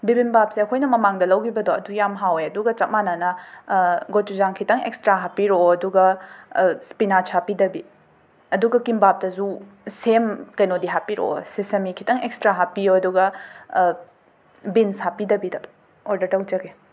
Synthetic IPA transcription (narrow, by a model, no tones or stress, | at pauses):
bibinbap̚seɐkʰojnɐmɐmaŋdɐlɐwkʰibɐdoɐdujamɦawjɐduɡɐt͡ʃɐt̚mananɐ | ɡotuzaŋkʰitɐŋḛkstɾaɦapiɾoɐduɡɐ | spinat͡ʃʰapidɐbi | ɐduɡɐkimbap̚tɐzu | semkɐjnodiɦapiɾo̰sisemikʰitɐŋekstɾaɦapijoɐduɡɐ | binsapidɐbidɐ | oɾdɐɾtɐwd͡ʒɐɡe